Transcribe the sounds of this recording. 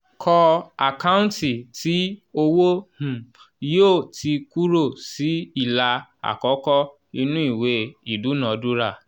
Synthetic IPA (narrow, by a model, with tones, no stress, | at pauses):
kʰɔ˧a˨ka˦ũ˦ti˨tʰi˨˦o˧wo˦hũ˨ | joː˦˨ti˧ku˦ɾo˦˨si˨˦i˦˨la˧a̰˨kɔ˨˦kɔ˦ | i˧nũ˦i˦˨we˧˦i˦˨du˨˦nã˨˦du˦ɾa˦˨